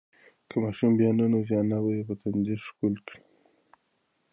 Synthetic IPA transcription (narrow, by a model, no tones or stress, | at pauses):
kʰəmɑʃumbjɑnunozjɑnawajepət̪anziʃkulkɽi